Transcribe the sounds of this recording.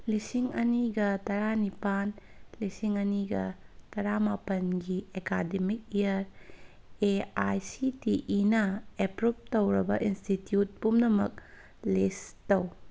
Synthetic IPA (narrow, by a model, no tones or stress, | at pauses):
lisiŋɐniɡɐtɐɾanipanlisiŋɐniɡɐtɐɾamapɐnɡiekademik̚ejɐɾ | eajsitiʔinɐepɾup̚tɐwɾɐbɐʔinstitjut̚pumnɐmɐ̰k̚ | lestɐw